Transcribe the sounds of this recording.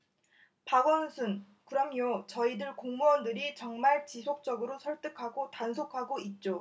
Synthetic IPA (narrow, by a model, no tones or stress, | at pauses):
paɡʌnsʰun | kɯɾʌmjot͡ɕʌidɯɭkoŋmuʌndɯɾit͡ɕʌŋmaɭt͡ɕisʰok̚t͡ɕ͈ʌɡɯɾosʰʌɭt͈ɯkʰaɡotansʰokʰaɡoit̚t͡ɕ͈o